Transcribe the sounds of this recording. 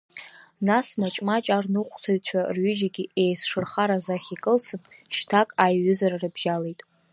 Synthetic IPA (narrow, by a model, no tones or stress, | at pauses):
nasmat͡ʃʼmat͡ʃʼarnɨqʷʰʼt͡sʰaɥt͡ɕʷʰarɥʏd͡ʒaɡʲiʔejsʂɨrχaɾazaχʲikʼɨlsʰɨnʃtʰakʼajːʏzararɨbʒale̞jtʼ